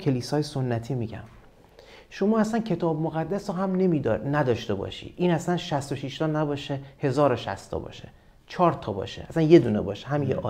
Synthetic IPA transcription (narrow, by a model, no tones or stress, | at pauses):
cʰe̞liːsɒːjesonːæt̪ʰiːmiːɟæ̰m | ʃo̞mɒːæsæncʰe̞t̪ʰɒːbmoɣæd̪ːæsɔɦæmne̞miːd̪næd̪ɒːʃt̪e̞bɒ̰ːʃḭd̪̥ʔiːnæsænʃæst̪oʃiʃt̪ɒːnæbɒːʃehe̞zɒːɾoʃæ̰st̪ʰɒ̰bɒ̰ːʃe | t͡ʃʰɒːɾt̪ʰɒːbɒ̰ːʃeʔæsænje̞d̪uːnebɒ̰ːʃeɦæmijḛɒ̰